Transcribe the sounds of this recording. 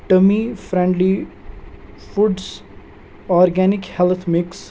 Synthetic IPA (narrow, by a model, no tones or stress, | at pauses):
ʈəmifɾɛ̃ɳɖli | fuɖs | ɔːɾɡɛːnɪkhɛlt̪ʰmɪks